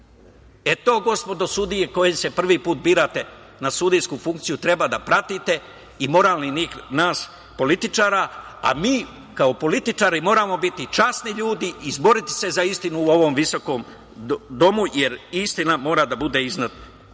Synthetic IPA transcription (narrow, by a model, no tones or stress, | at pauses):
e̞t̪o̞ːɡo̞spo̞d̪o̞sud̪ije̞ko̞jese̞pr̩ʋipuːt̪̚biːɾat̪e̞ | nasud̪ijskufuŋkt̪sijut̪ɾe̞bad̪apɾat̪it̪e̞ | imo̞ɾaːlˠniniːxnaːs | po̞lit̪it͡ʃaːɾaa̰miː | kaopo̞lit̪it͡ʃaːɾimo̞ːɾaːmo̞bit̪it͡ʃasniʎuːd̪iʔːzbo̞ɾit̪i̥se̞zaist̪inuːo̞ʋo̞mʋiso̞ko̞ːm | d̪o̞muje̞ɾist̪inamo̞ːɾad̪abud̪e̞iznad̪na